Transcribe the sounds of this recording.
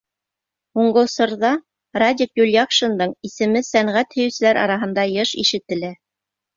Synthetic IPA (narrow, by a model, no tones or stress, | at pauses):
huɴɢɤ̆wsŏɾðɑ | rad̪ʲikjulʲjakʃɤ̆nd̪ɤɴisɘ̆mɘsæɴʁæt̪hɵ̆jɘ̆sɘ̆læɾɑ̰ɾɑɦɤ̆nd̪ɑjɤʃḭʃɘ̆t̪ɘ̆læ